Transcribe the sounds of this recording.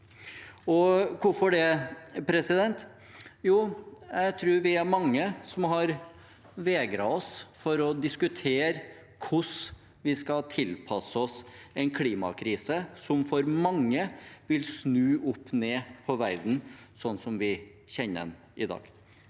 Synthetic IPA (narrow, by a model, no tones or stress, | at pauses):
ɔkʰʊfɔɖɛpʰɾɛsɪd̪ɛnt̪ | juːjɛɡt̪ʰɾʉːɾʋɪæɾmɑŋːəsɔmhɑɾ | ʋeːɡɾɑ̰ɔsfɔɾɔd̪ɪskʉt̪ʰeːɾ | kʰʊs | ʋɪskɑlt̪ʰɪlpʰɑsəɔsɛɪnkʰliːmɑ̰kʰɾiːsəsɔmfɔɾmɑŋːəʋɪlsnʉːʔʊpːneːpʰɔʋæɾd̪n̩sɔnːsɔmʋɪ | çɛnːə̰n | ɪd̪ɑ̰ːɡ̥